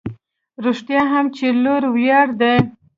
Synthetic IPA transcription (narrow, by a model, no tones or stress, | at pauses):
ɾuʂʈ̪jɑɦamt͡ʃeloɾwjɑɽd̪e